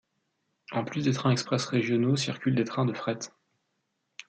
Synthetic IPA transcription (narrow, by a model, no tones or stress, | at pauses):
ɑ̃plysd̪et̪χɛ̃ɛkspχɛsʁeʒjɔnosiʁkʲyld̪et̪χɛ̃d̪əfχɛt̪